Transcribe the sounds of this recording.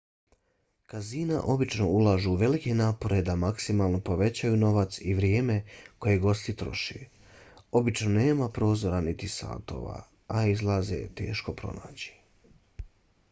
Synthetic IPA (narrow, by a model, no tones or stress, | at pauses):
kaziːna̰ʔo̞bit͡ʃno̞ulˠaːʒuuʋe̞like̞naːpo̞ɾe̞d̪amaksimaːlˠno̞po̞ʋe̞t͡ɕajuno̞ʋat̪siʋɾjeːme̞ko̞je̞ɡo̞st̪it̪ɾo̞ʃḛ | o̞bit͡ʃno̞ne̞ːmapɾo̞ːzo̞ɾanit̪isa̰ːt̪o̞̰ːʋa̰ | aizlˠaːzḛt̪e̞̰ːʃko̞pɾo̞̰na̰ːt͡ɕi̥